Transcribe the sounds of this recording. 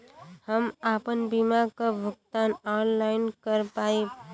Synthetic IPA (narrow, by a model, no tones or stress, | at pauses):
həmapənbimakebʱʊk̚t̪anɔnlaɪnkəɾpai